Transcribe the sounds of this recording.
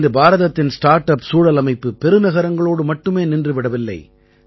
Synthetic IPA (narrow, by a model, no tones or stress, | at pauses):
dɯbaːɾɐðɐt̪ːɪnsʈaːɾʈɐpsuːɽɐlɐmɐɪpːɯpɛɾɯnɐɣɐɾɐŋɡɐɭoːɽɯmɐʈːɯmeːnɪndrɯʋɪɽɐʋɪlːɐ̰ɪ